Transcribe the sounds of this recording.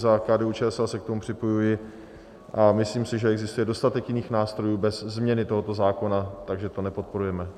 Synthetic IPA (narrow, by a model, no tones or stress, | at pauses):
zakaːdɛːut͡ʃɛɛsasɛk̚t̪omupr̥ɪpo̞jujɪ | ʔamɪsliːmsɪʒɛɛɡzɪst̪ujɛdo̞st̪at̪ɛkjɪniːxnaːst̪ɾo̞juːbɛzzmɲɛnɪt̪o̞ɦo̞t̪o̞zaːko̞nat̪aɡʒɛt̪o̞nɛpo̞t̪̚po̞ɾujɛmɛ